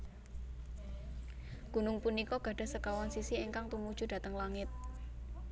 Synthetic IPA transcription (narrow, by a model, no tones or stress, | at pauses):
ɡ̥ṳnʊŋpunikɔɡ̥a̤ɖ̥a̤səkawansisieŋkaŋt̪umud̥ʒ̥ṳd̥a̤t̪əŋlaŋɪt̪̚